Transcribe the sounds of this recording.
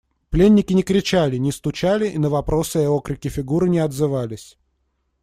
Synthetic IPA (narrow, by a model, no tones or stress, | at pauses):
plʲenʲːɪkʲɪnʲɪkɾʲɪt͡ɕælʲɪnʲɪst̪ʊt͡ɕalʲɪʔinəvɐpɾo̞sɨɛokɾʲɪkʲɪfʲɪɡuɾɨnʲɪɐd̪zɨvalʲɪsʲ